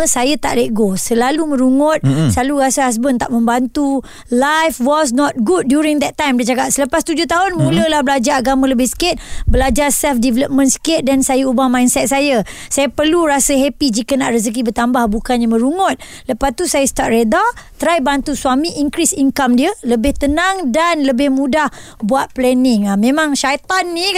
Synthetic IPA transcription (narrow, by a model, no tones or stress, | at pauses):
əsajət̪a̰ʔleʔɡosəlalumə̃ɾuŋɔt̪̚saluɾasəɦas̬bənt̪aʔmə̃mbant̪u | lajfwɔs̬nɔt̪̚ɡud̚ːjuɾiŋd̪ɛt̪ːãjmdiəd͡ʒakat̪̚sələpast̪ud͡ʒʊht̪aɦʊnmũləlahbəlad͡ʒaɾaɡamãləbɪhsə̥kɪt̪̚bəlad͡ʒarsɛlfdɛvɛləp̚mə̃nsə̥kɪt̪̚dansajəubamãjnsɛt̪̚sajə | sajaəpərluɾasəɦɛpid͡ʒikənaʔrəs̬ək̬ibət̪ambahbukanɲamə̃ɾuŋʊt̪̚ | ləpast̪usajəst̪at̪̚redat̪ɾajbant̪usuamĩʔiŋkɾisiŋkamdiələbɪht̪ənaŋdanləbɪhmũdah | buat̪̚plɛnɪŋamẽmãŋʃajt̪anːi